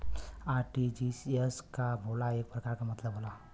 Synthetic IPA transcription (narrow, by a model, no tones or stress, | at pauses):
aɾʈid͡ʒiseskabʱolaeːk̚pɾəkaɾkamɐt̪ləbʱɦola